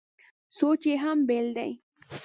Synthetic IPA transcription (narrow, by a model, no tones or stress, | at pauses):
sot͡ʃeɦambeld̪a̰j